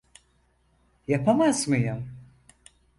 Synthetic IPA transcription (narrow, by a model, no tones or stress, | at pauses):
japʰamazmɯjɯm